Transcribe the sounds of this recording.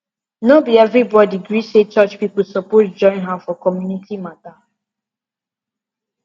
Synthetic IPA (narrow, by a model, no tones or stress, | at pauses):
nobiɛvɹibɔdiɡɹiset͡ʃɔt͡ʃpipulsɔpotd͡ʒɔ̃ɪ̃nɦafɔkɔmjunitʰimata